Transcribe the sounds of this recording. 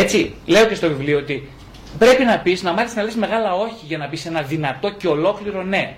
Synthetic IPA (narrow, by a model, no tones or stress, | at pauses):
e̞t͡sile̞oce̞st̪o̞vivlioot̪i | pɾe̞pinɐpiznɐmɐθisnɐlesme̞ɣɐlɐo̞çiʝɐnɐpise̞nɐðinɐt̪o̞ce̞o̞lo̞kliɾo̞ne̞